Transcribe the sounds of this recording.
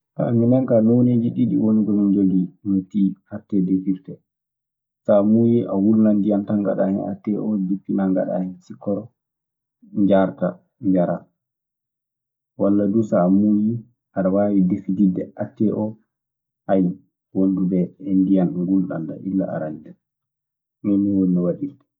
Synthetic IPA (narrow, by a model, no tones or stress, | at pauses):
ʔa̰minɛŋkanoneːd͡ʒiɗiɗḭwoniɡɔmiɲd͡ʒolinutihatːɛdefiɾtɛ | samujiʔawulnandijantaŋɡa̰ɗa̰hɛna̰tːɛʔɔdipːinaŋɡa̰ɗa̰hɛnsikːɔɾɔ | ɲd͡ʒaɾta | ɲd͡ʒaɾa | walːadusamuji | ʔaɗawaːwidefididɛ̰ʔatːɛʔɔ | ʔaj | wondubɛɛndijanɗɔɡulɗa̰nta̰ʔilːa̰a̰ɾandɛ | mɛniwonːiwaɗitḁ